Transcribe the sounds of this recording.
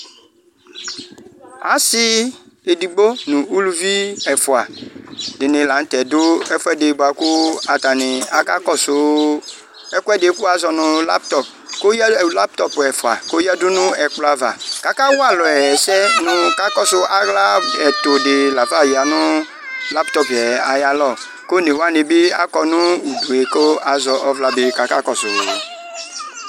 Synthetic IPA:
a˨sɪ˦ | e˨di˨ɡ͡bo˦nʊ̃˨u˦lu˦vi˦ɛ˨fʊ˨a˨dɪ˨nɪ̃˨la˨˦n̩˦tɛ˨dʊ˦ɛ˦fʊ˦ɛ˦de˨˦ba˨kʊ˦a˨ta˨nɪ˨a˨˦ka˦kɔ˦sʊ˨˦ | ɛ˦kʊ˦ɛ˦de˨˦kʊ˦a˨zɔ˨nʊ̃˨la̰˦p̚tɔ˨p | ko˦jla˦p̚t̪ɔ˦pɛ˨fʊ˨a̰˨ko˦ja˦dʊ˦nʊ̃˦ɛ˨k͡plɔ˦a˦˨va̰˨ka˨ka˦wa˦˨lɔ˨ɛ˨sɛ˦nʊ̃˧ka˨˦kɔ˦sʊ˧a˨ɣla˦ɛ˨t̪o˨de˨la˨fa˦˨ji˨a˨nʊ̃˦ | la˦ptɔ˦pɛ˨a˨ja˦lɔ˦˨ | ko˦ne˨wa˦˨ne˧bi˦a˨kɔ˧nũ˦u˨du˨e˨ko˦a˨zɔ˧ʔɔ˦vla˨bi˨ka˨ka˦kɔ˦˨sʊ˨

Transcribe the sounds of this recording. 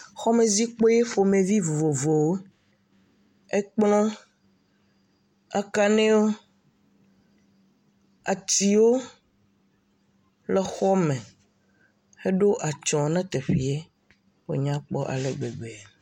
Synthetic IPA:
xɔ˦mẽ˨zi˦k͡po˦je˦fo˨mẽ˨vi˦vo˨vo˨vo˨wo˦ | e˦k͡plɔ̃˦ | a̰˦ka˦nɛ̃˦wo˦ | a̰˨t̪i˨wo˦ | le˨xɔ˦mɛ̃˨ | e˦ɖo˦ʔa˨t͡ʃɔ̃˨nɛ̃˦t̪e˨ɸi˨e˦ | wo̰˨ɲã˦k͡pɔ˦ʔa̰˨le˨ɡ͡be˨ɡ͡be˨a˨

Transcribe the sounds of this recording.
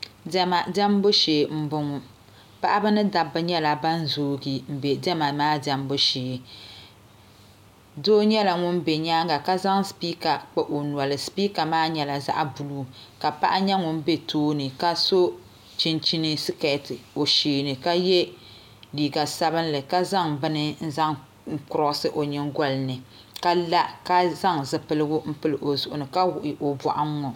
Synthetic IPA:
dɛ˨ma˨dɛ˦m˦bo˦ʃeː˨m̩˦bʊ˨ŋʊ˨ | pa˦ʔa˦bɨ˦nɨ˦da˨bɨ˦ɲɛ˦la˨ba˦n˦zoː˦ɡi˨m̩˨be˨dɛ˦ma˨maː˦dɛ˨m˦bo˦ʃeː˨ | doː˦ɲɛ˦la˨ŋʊ˦n˦be˨ɲaː˦ŋɡa˨ka˦za˦ŋspiː˦ka˨k͡pɛ˨ʔo˨nu˨ɔ˨lɨ˨spiː˦ka˨maː˦ɲɛ˨la˨za̰˦ʔa˨bu˨luː˦ka˨pa̰˦ʔa˦ɲɛ˦ŋʊ˦n˦be˦tʰoː˦nɨ˨ka˦so˦ | t͡ʃi˦nt͡ʃi˦nɨ˦si˦kɛ˨tɨ˨o˨ʃeː˨nɨ˨ka˦jɛ˦ | liː˨ɡa˨sa˦bɨ˦n˦lɨ˨ka˦za˦ŋbɨ˦nɨ˦n̩˦za˦ŋ̩˦ | kʊ˦ɾɔ˦ʔsɨ˦ʔo˨ɲɨ˨ŋɡɔ˦lɨ˨nɨ˨ | ka˦la˦ka˦za˦ŋzɨ˨pɨ˨lɨ˦ɡʊ˦m̩˦pɨ˦lɨ˨ʔo˨zʊ˨ʔʊ˨nɨ˨ka˦wʊ˨ʔɪ˨ʔo˨bɔ̰˨ʔa˦ŋː˦ɔ˨

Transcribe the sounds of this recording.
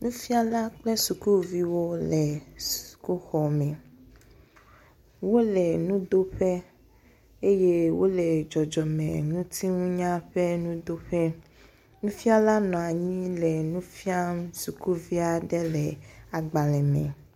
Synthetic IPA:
nũ˦fi˦a˦la˦k͡plɛ˦su˨ku˦vi˦wo˦lɛ˨su̥˨ku˦xɔ˨mɛ̃˨ | wo˦lɛ˨nũ˦d̪o˦ɸɛ˦ | e˦je˦wo˦lɛ˨d͡ʒɔ˨d͡ʒɔ˨mɛ̰̃˨nũ˦t̪ʰi˦ŋũ˦ɲã˦ɸɛ˦nũ˦d̪o˦ɸɛ˦ | nũ˦fi˦a˦la˦nɔ̃˨a˨ɲĩ˦lɛ˨nũ˦fi˦a˦m˦su˨ku˦vi˦a˨ɖɛ˦lɛ˨a˨ɡ͡ba˨lɛ˨mɛ̰̃˨

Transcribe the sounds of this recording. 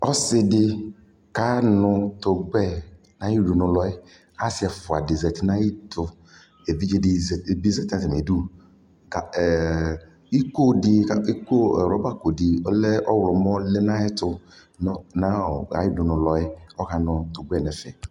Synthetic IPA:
ɔ˦sɪ˦dɪ˦ | ka˦nʊ˧tʊ˨ɡ͡bɛ˦˨ | na˦ji˦˨du˨nʊ˨lɔ˨ɪ˦ | a˦si˨˦ɛ˨fʊ˨a˨dɪ˨zɛ˨tɪ˦na˦i˦tʊ˨ | e˨vi˦d͡ʒe˦dɪ˨˦˨bi˦zɛ˨tã˦ti˨m˨e˨du˦ | ka˨ | i˦ko˦dɪ˨i˦ko˦˨ɾɔ˨˦ba˦ko˨dɪ˨ɔ˦lɛ˦ɔ˦wlɔ˨mɔ˦lɛ˦na˦ɛ˦tʊ˦ | na˦ɔ˨a̰˨˦ji˦dʊ˨nʊ˨lɔ˨ɪ˦ɔ˦ka˨nʊ˨tʊ˨ɡ͡bɛ˦˨nɛ˨fɛ˨

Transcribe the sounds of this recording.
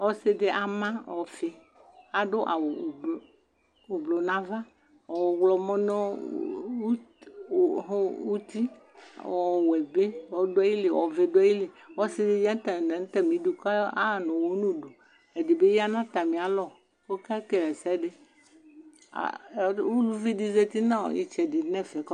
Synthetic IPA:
wɔ˦se˦de˦ʔa˨mã˦wɔ˨fe˨ | a˨ɖo˦ʔa̰˨wo˨b | o˨blo˨nã˦va˦ | ɔ˨wlɔ˨mɔ̃˦nɔ̃˦˨ | ɦwu˦t̪i˦ | ɔ˨wɛ˨be˦wɔ˦ɖo˦a˦ji˦le˨wɔ̰˨ve˨ɖo˦a˦ji˦le˨ | wɔ˦si˦de˦d͡ʒa˦t̪n˦t̪ɛ˦mĩ˨˦du˨ka˦a˦˨nɔ̃˨wo˦nũ˦ɖo˨ | e˨di˨be˦ja˦nã˦t̪a˨mĩ˨a˨lɔ˨ | ko˦ka˦ke˦lɛ˨sɛ˦ɖe˦ | a̰˨wu˦lu˦vi˦di˦ze˦t̪i˦nã̰˦˨jḭ˨t͡ʃɛ˨di˨nɛ̃˦fɛ˨kɔ˦

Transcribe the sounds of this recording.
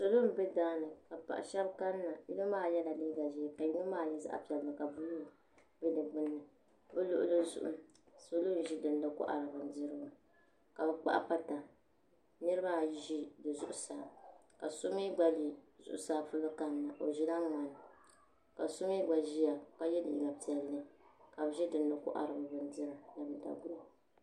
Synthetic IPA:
so˨lo˦m̩˦bɛ˦daː˦nɨ˨ka˨pa̰˨ʔa̰˨ʃɛ˦bka˦nː˦a˨ji˦nɨ˦maː˦˨jɛ˦la˨li˦ɡa˨ʒi˦a˨ka˨jɪ˦nu˦maː˦˨ni˦za̰˦ʔpi˨ɛ˨lmɨ˨ka˨bu˦lu˦˨ | bɛ˦dɨ˨ɡ͡bɨ˦nːɨ˨ | bɨ˦lʊ˦ʔʊ˦lɨ˦zʊ̰˨ʔʊ̰˦ | so˨lo˦n˨ʒi˦dɨ˨n˦dɨ˦kʊ̰˦ʔa̰˨ɾɨ˨bɨ˨n˦dɨ˦ɾɨ˦ɡʊ˨ | ka˨bɛ˦k͡pa̰˦ʔpa˦ta˨ | nɨ˦ɾɨ˦ba˦˨ʒi˦dɨ˨zʊ̰˦ʔʊ˦saː˨ | ka˨so˦mi˦ɡ͡ba˦li˨zʊ̰˨ʔʊ̰˦saː˦pʊ˦lɨ˦ka˨n˦nɨ˨ʔo˨ʒi˦la˦ŋa˨n˨ | ka˨so˦mi˦ɡ͡ba˨ʒi˦ja˨ka˦jɛ˦dɨ̰˨ɡa˨pi˨ɛ˨lːɨ˨ka˨bʒɛ˦dɨ˨n˦dɨ˦kʊ̰˦ʔa̰˨ɾɨ˨bɨ˨bɨ˨n˦dɨ˦ɾa˨na˨bɨ˨da̰˨ɡʊ˦a˨

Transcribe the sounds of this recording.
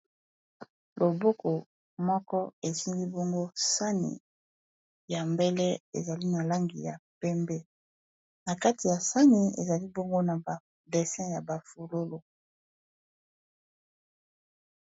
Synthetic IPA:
lo˨bo˦ko˨ | mɔ˦kɔ˦e˨si˦ŋɡi˦bo˦ŋɡo˦sa˦nḭ˨ | ja˨mbɛ˦lɛ˦ḛ˨za˨li˦na˨la˦ŋɡi˨ja̰˨pɛ˦mbe˦ | na˨ka˦ti˨ja˨sa˦ni˨ḛ˨za˨li˦bo˦ŋɡo˦na˨ba˨ | de˨sɛ̃˦ja˨ba˨fu˨lo˦lo˨

